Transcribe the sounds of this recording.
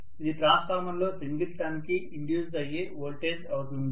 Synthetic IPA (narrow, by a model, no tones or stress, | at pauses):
id̪iʈɾaːskaːmɐnlo̞ːsiŋɡilʈaːnkiiɳɖjuːd͡ʒɐjːeːʋoːlʈeːd͡ʒɐwut̪und̪i